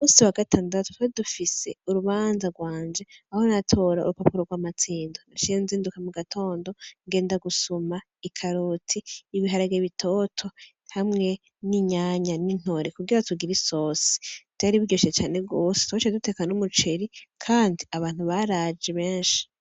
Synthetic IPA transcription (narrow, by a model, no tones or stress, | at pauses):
umuːsiwaɡatʰaːndatu̥twedufise̞uɾuβaːnzaɡwaːɲd͡ʒe̞aho̞natʰo̞ɾaṵɾupapuɾoɡwaːmat͡siːndonaʃieunziːndukamuɡatʰo̞ːndo̞ŋɡe̞ːndaɡusuma | ikʰaɾutʰiːβiɦaɾaɡeβitʰo̞ːtʰo̞ | hamŋe̞ | niɲaːɲanin̥ho̞ɾekuɡiɾatʰuɡiɾiso̞si̥ttaɾiβiɡɟoʃiet͡ʃaːne̞b̚ɡo̞ːse̥twot͡ʃedute̞kanumut͡ʃeɾikʰaːndiaβaːn̥huβaɾaːd͡ʒeβeːnʃi̥